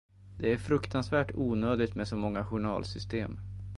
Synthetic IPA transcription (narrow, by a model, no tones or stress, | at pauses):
d̪̥ɛæɾfɾɵkt̪ʰansvæːʈuːnøːd̪ɪɡt̪mɛsɔmɔŋːaɧʊɳɑ̰ːlsʏst̪ḛːm